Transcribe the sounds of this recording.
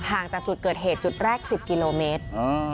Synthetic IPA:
haː˨˩ŋt͡ɕaː˨˩k̚t͡ɕu˨˩kɤː˨˩t̪̚ɦeː˨˩t̪̚t͡ɕu˨˩t̪̚ɾɛː˥˩k̚si˨˩p̚ki˧loː˧meː˦˥t̪̚ː

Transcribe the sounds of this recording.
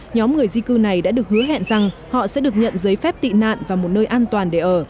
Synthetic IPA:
ɲɔ˨˦mŋɨ˨˩əjzi˧kɨ˧na˨˩jɗa̰ː˧˥ɗɨ˨˩ək̚hɨ˨˦əɦɛ̰˧˨nza˨˩ŋhɔ̰˧˨sɛ̰˧˥ɗɨ˨˩ək̚ɲə̰˧˨nzəː˨˦jfɛ˦˥p̚t̪ḭ˧˨na̰ː˧˨nvaː˨˩mo˨˩t̚nəː˧jʔaː˧nt̪waː˨˩nɗe˧˩ʔəː˧˩

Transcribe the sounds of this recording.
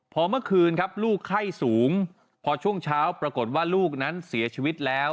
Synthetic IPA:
pʰɔː˧mɯ˥˩ɐkʰɯː˧nkʰa˦˥p̚luː˥˩kʰːa˥˩jsuː˩˦ŋ | pʰɔ˧t͡ɕʰu˥˩əŋt͡ɕʰaː˦˥wpɾa˧ko˨˩t̪̚waː˥˩luː˥˩k̚na˦˥nsi˩˦ɐt͡ɕʰiː˧wi˦˥t̪̚lɛː˦˥w

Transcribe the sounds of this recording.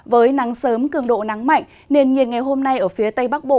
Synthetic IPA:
vəː˨˦jna˨˦ŋsəː˨˦mkɨ˧˩əŋɗo̰˧˨na˨˦ŋma̰˧˨jŋ̟ | ne˧nŋi˨˩ət̚ŋa˨˩jɦo˧mna˧jʔəː˧˩fi˨˦ət̪ə˧jɓa˦˥k̚ɓo̰˧˨

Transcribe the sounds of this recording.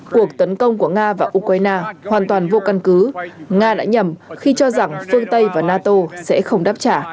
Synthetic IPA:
ku˨˩ək̚t̪ə˨˦nkə˧wŋ͡mku˧˩əŋaː˧vaː˨˩ʔu˧kwaː˧jnaː˧hwaː˨˩nt̪waː˨˩nvo˧ka˧nkɨ˨˦ŋaː˧ɗa̰ː˧˥ɲə˨˩mxi˧t͡ɕɔ˧za˨˩ŋfɨ˧əŋt̪ə˧jvaː˨˩naː˧t̪o˧sɛ̰˧˥xə˧wŋ͡mɗaː˦˥p̚t͡ɕaː˧˩

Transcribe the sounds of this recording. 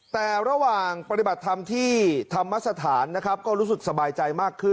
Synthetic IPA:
t̪ɛː˨˩ɾa˧waː˨˩ŋpa˧t̪i˨˩ba˨˩t̪ʰːa˧mt̪ʰiː˥˩t̪ʰa˧mːa˦˥t̪̚sa˧t̪ʰaː˩˦nːa˦˥kʰɾp̚kɔː˥˩ɾuː˦˥sɯ˨˩k̚sa˧baː˧jt͡ɕa˧jmaː˥˩kʰːɯ˥˩

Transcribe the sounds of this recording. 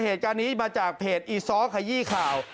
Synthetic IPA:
heː˨˩t̪̚kaː˧nːiː˦˥maː˧t͡ɕaː˨˩k̚pʰeː˨˩t̪̚ʔiː˧sɔː˦˥kʰaː˧jiː˥˩˨kʰaː˨˩w

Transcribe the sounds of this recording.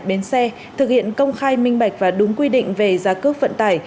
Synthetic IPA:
ɓe˨˦nsɛ˧ | t̪ʰɨ˨˩k̚hḭ˧˨ənkə˧wŋ͡mxaː˧jmï˧ŋ̟ɓa˧˩jk̟̚vaː˨˩ɗʊ˨˦ŋ͡mkwi˧ɗḭ̈˧˨ŋ̟ve˨˩zaː˨˦kɨ˦˥ək̚və̰˧˨nt̪aː˧˩j

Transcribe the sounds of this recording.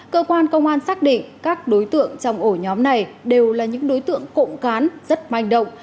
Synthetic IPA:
kəː˧kwaː˧nkə˧wŋ͡mʔaː˧nsaː˦˥k̚ɗḭ˧˨ŋ̟kaː˦˥k̚ɗo˨˦jt̪ɨ̰˧˨əŋt͡ɕɔ˧wŋ͡mʔo˧˩ɲɔ˨˦mna˨˩jɗe˨˩wlaː˨˩ɲɨ̰˧˥ŋɗo˨˦jt̪ɨ̰˧˨əŋko̰˧˨ŋ͡mkaː˨˦nz̥ə˦˥t̚ma˧jŋɗə̰˧˨wŋ͡m

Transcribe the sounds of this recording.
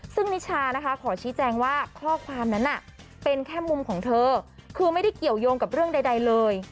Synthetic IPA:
sɯ˥˩ŋni˦˥t͡ɕʰaː˧na˦˥kʰa˦˥kʰɔː˩˦t͡ɕʰiː˦˥t͡ɕɛː˧ŋwaː˥˩kʰɔː˥˩kʰwaː˧mna˦˥nːʔa˨˩ | pe˧nkʰɛː˥˩mu˧mkʰɔː˩˦ŋt̪ʰɤː˧kʰɯː˧ma˥˩jda˥˩jki˨˩əwjoː˧ŋka˨˩p̚ɾɯ˥˩əŋda˧jda˧jlɤː˧j

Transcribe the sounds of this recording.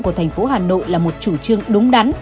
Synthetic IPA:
ku˧˩ət̪ʰɛ˨˩ŋ̟fo˨˦ɦaː˨˩no̰˧˨jlaː˨˩mo˨˩t̚t͡ɕu˧˩t͡ɕɨ˧əŋɗʊ˨˦ŋ͡mɗa˨˦n

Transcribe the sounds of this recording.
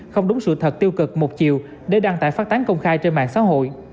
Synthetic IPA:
xə˧wŋ͡mɗʊ˨˦ŋ͡msɨ̰˧˨t̪ʰə˨˩t̚t̪i˧əwkɨ˨˩k̚mo˨˩t̚t͡ɕḭ˧˨w | ɗe˧˩ɗaː˧ŋt̪a̰ː˧˨jfaː˦˥t̚t̪aː˨˦ŋkə˧wŋ͡mxaː˧jt͡ɕe˧nma̰ː˧˨ŋsa̰ː˧˥ɦo̰˧˨j

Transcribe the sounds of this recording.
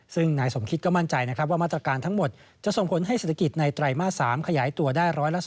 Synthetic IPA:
sɯ˥˩ŋnaː˧˩jso˩˦mkʰi˦t̪̚kɔ˥˩ma˥˩nt͡ɕa˧jna˦˥kʰɾa˦˥waː˥˩aː˥˩t̪ɾa˧kaː˧nt̪ʰa˦˥ŋmo˨˩t̪̚ | t͡ɕa˨˩ʔso˨˩ŋpʰo˩˦nɦa˥˩jse˨˩t̪ʰa˧ki˨˩t̪̚na˧jt̪ɾa˨˧˩jmaː˥˩t̪̚saː˩˦mkʰa˧jaː˩˦jt̪u˧ɐdaː˥˩jɾɔː˦˥jla˦˥s

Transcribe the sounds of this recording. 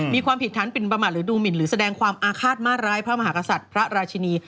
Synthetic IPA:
miː˧kʰwaː˧mpʰi˩t̪ʰːaː˦˥npi˨˩npɾa˧maː˨˩t̪̚ɾɯː˩˦duː˧mi˨˩nɾɯː˩˦sa˧dɛː˧ŋkʰwaː˧mʔaː˧kʰaː˥˩t̪̚maː˥˩t̪̚ɾaː˦˥jpʰɾa˦˥ma˧ɦaː˩˦˥ka˧sa˨˩t̪̚pʰɾa˦˥ɾaː˧t͡ɕʰi˧niː˧

